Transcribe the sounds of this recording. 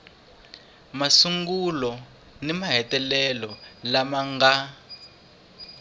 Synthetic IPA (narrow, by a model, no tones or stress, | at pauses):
masuŋɡulɔ | nimaɦɛtɛlɛlɔlamaŋɡa